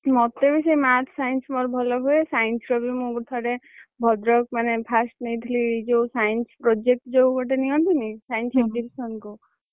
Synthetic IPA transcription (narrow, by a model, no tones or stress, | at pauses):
mɔt̪ːebisejmaʈ̪ʰsajnsmɔɾbʱɔlɔɦuesajnsɾɔbimũɡut̪ʰɔɽe | bʱɔd̪ɾɔk̚manepʰasʈnejd̪ʰʱilid͡ʒesajnspɾod͡ʒek̚ʈd͡ʒowkɔʈ̬eniɔ̃nt̪ʰinisajnsek̚d͡ʒilsɔnku